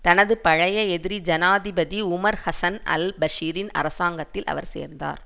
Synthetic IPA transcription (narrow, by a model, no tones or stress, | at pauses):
t̪ɐnɐðɯpɐɻɐjɐɛðɪɾid͡ʒɐnaːðɪbɐðiʊmɐɾhɐsɐnɐ̰lbɐʂiːɾɪnɐ̰ɾɐsaːŋɡɐt̪ːɪlɐ̰ʋɐ̰ɾsḛːɾnd̪a̰ːɾ